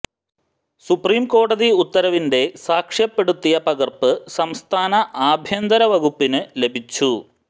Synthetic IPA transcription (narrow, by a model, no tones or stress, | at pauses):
supriːmko̞ːɽɐðiut̪ːɐɾɐʋinde̞saːkʂjɐpːe̞ɽut̪ːijɐpɐɣɐrpɨsɐmst̪ʰaːnɐʔaːbʱjɐnd̪ɐɾɐʋɐɡupːinɨle̞bʱit͡ɕːu